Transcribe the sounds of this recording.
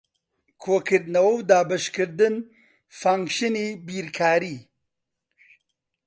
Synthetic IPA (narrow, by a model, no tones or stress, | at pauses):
kʰoːkɪɾd̪nɐwowd̪aːbəʃkəɾd̪ən | faŋkʃinibiːɾkʰaːɾi